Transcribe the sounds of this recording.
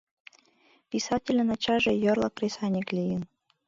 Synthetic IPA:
pʲisɑtʲelʲə̆nɑt͡ɕɑʒĕjŏrlˠɑ̰krʲesɑnʲeklʲijən

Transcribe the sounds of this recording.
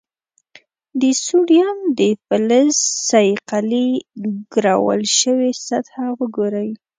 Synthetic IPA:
d̪əsuɽjamd̪əfələzsajjqaliɡ̥ɾɑ̰wə̰lʃəwesat̪hawəɡoɾəj

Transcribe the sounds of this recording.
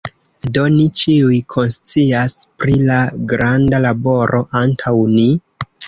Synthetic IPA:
do̞nit͡ʃiujkʰo̞nst͡siaspɾilaɡɾandalabo̞ɾʔo̞ʔantʰawni

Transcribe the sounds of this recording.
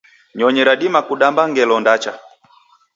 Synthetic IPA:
ɲɔɲɛɾaɗimakuɗambaŋɡɛlɔndat͡ʃa

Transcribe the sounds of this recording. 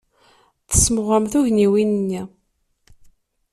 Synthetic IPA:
θə̥smʁəmθuʝniwinənːi

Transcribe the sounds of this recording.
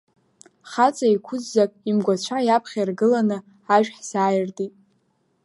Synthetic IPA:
χat͡sʼaikʷʰʊzːakʼimɡʷat͡ɕʷʰajapʰχʲairɡɨlanɨ | aʒᶣħsaːjɪrtʼitʼ

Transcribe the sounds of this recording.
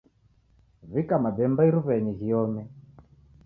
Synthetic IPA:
vikamaɓɛmbaiɾuβɛɲiɣiɔmɛ

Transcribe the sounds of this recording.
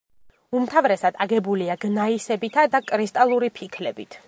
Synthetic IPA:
umt̪ʰavɾɛsad̪aɡɛbuliaɡnaisɛbit̪ʰad̪akʼɾist̪ʼalˠuɾipʰikʰlɛbit̪ʰ

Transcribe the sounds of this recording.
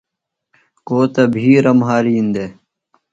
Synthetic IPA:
koːt̪ɐbʱiːɾɐmɦaːɾiːnd̪e

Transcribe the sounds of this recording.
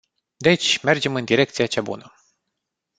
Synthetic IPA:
d̪et͡ʃʲme̞rd͡ʒe̞mɨnd̪iɾe̞k̚t̪siat͡ʃabṵnə

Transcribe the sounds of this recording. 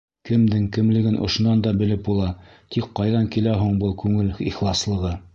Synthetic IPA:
kɘ̆md̪ɘŋkɘ̆mlɘ̆ɡɘnʔŏ̰ʃŏnɑnd̪ɑbɘ̆lɘp̚bulˠɑ | t̪ikqɑjðɑŋkilæɦuɴbɤlˠkʉŋɘliχlˠɑslˠɤ̆ʁɤ

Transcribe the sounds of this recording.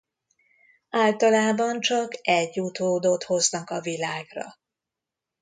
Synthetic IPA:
aːlt̪ɒlaːbɒnt͡ʃɒkɛɟːut̪oːd̪ot̪ho̞znɒkɒvilaːɡrɒ̰

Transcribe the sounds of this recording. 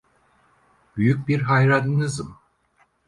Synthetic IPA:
byjyc̚ʲbiɾɦajɾanɯnɯzɯm

